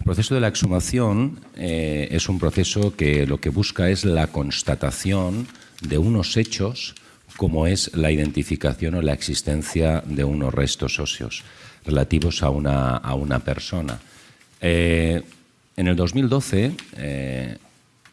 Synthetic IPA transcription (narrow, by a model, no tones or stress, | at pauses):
elpɾoθe̞soð̞elaeksumaθjo̞nee̞sumpɾoθe̞so̞ke̞lo̞ke̞βuskae̞zlako̞nst̪at̪aθjo̞n | d̪e̞uno̞se̞t͡ʃo̞s | ko̞mo̞e̞zlaiðẽ̞nt̪ifikaθjo̞no̞lae̞ksist̪ẽ̞n̟θjaðe̞uno̰re̞st̪o̞so̞sjo̞̰sre̞lat̪iβo̞sa̰una̰a̰una̰pe̞̰ɾso̞na̰ | e | ene̞ld̪o̞zmild̪o̞θe̞e